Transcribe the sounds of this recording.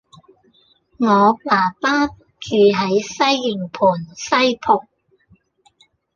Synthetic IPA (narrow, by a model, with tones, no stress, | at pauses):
ŋɔː˨˧paː˨˩paː˥ | t͡ʃyː˧ɦɐ˨˥jsɐ˥jːɪ˨˩ŋpʰuː˨˩nsɐ˥jpʰʊ˨˩k̚